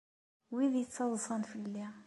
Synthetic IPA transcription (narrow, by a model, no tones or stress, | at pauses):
wiðjət͡sːɑðˤsˤɑnfəlːi